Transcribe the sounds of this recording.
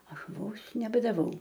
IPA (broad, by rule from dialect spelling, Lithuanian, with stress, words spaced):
ˈɐʃ ˈʋoːs nʲɛbɐdɐˈʋɐʊ